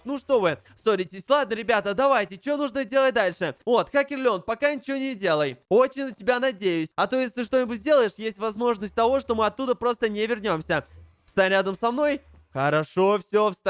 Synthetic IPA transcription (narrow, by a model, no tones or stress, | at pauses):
nuʂt̪o̞vɨ | soɾʲɪtʲɪsʲlˠad̪nəɾʲɪbʲat̪əd̪ɐvajtʲɪt͡ɕɪvʲo̞nuʐnəzʲdʲelˠət̚ʲd̪alʲʂɨvo̞t̪xakʲɪrlʲo̞npɐkanʲɪt͡ɕɪvonʲɪdʲe̞lˠəjo̞t͡ɕɪnʲnətʲɪbʲanɐdʲejʊsʲɐt̪o̞jɪsʲt̪ɨʂt̪o̞nʲɪbʊt̚ʲzdʲe̞lˠəjɪʂjesʲtʲvɐzmo̞ʐnəsʲt̚ʲt̪ɐvo̞ʂt̪o̞mɨɐt̪ːud̪əpɾo̞st̪ənʲɪvʲɪrnʲo̞msʲə | fst̪anʲɾʲad̪əmsɐmno̞j | xəɾɐʂo̞fsʲo̞fst̪